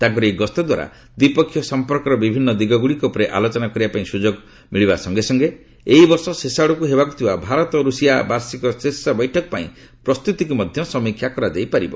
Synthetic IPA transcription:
t̪aɡɔɾeɡɔst̪ɔd̪wa̰ɾa̰ | d̪ipɔkʰːjɔsɔmpɔɾkɔɾɔbibʱinːɔd̪iɡɔɡuɭikɔpɔɾeʔalot͡ʃɔnakɔɾibapaĩsud͡ʒoɡ | miɭibasɔŋɡesɔŋɡe | eibɔɾsɔsesaɽɔkuɦebakut̪ʰibabʱaɾɔt̪ɔɾusijabaɾsikɔsesabɔjʈʰɔkɔ̥paḭ̃ | pɾɔst̪ut̪ikumɔd̪ʱjɔsɔmikʰjakɔɾad͡ʒajpaɾibɔ

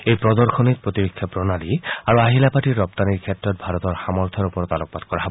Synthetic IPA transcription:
ejpɹɔd̪ɔɹxʰɔnit̚pɹot̪iɹokʰːjapɹɔnaliaɹuaɦilapatiːɔp̚t̪aniɹkʰɛtɹɔt̪̚bʱaɾɔt̪ɔɹxamɔɹt̪ʰɔɹupɔɹɔt̪alɔk̚pat̪kɔɹaɦɔbɔ

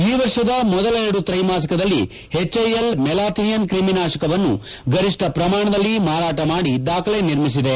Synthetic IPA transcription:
iːʋɐɾʂɐd̪ɐmɔd̪ɐlɐeɾɐɽut̪ɾɐjmaːs̬ɐkɐd̪ɐlːḭ | het͡ʃːɐjelmɛlaːt̪nijɐnkɾiminaːʂɐkɐʋɐnːṵ | ɡɐɾiʂʈɐpɾɐmaːɳɐd̪ɐlːimaːɾaːʈɐmaːɽid̪aːkʰɐleniɾmisid̪e̞

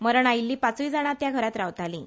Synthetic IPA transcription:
məɾəɳajilːiːpat͡sʋid͡zaɽ̃at̪jaɡʱəɾat̪ɾawt̪alḭ̃ː

